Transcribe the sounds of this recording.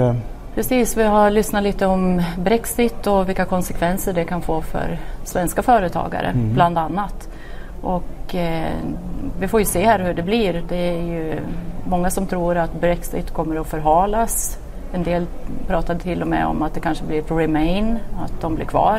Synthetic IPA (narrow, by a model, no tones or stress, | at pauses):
pʰɾɛsiːsvɪɦaɾɭʏsnat̪liːt̪əɔmbɾɛksɪt̪ːɔvɪlkːakʰɔnsɛkʰvɛnsəɖɛkʰanfoːfœ̰ɾsvɛnskafœːɾət̪ʰɑ̰ːɡa̰ɾʔə̰bbland̪anːat̪ | ʔɔk | vɪfoːɾjɵseːhæːɾhɵɖɛbliɾd̪ɛæɾjɵmɔŋːasɔmt̪ʰɾuːɾat̪bɾɛksɪ̰t̪kʰɔmːəɾɔfœɾɦɑːlas | ɛnd̪eːlpʰɾɑːt̪ad̪t̪ʰɪlːɔmɛ̰ɔ̰mat̪̚d̪ɛkʰanʂəblɪɾɾɪmɛɪnat̪̚d̪ɔmblɪɾkʰvɑ̰ːɾ